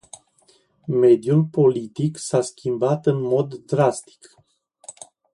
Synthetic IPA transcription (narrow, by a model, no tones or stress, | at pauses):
me̞d̪julpo̞lit̪iksaskʲʰimbat̪ɨnmo̞d̪ːɾast̪i̥k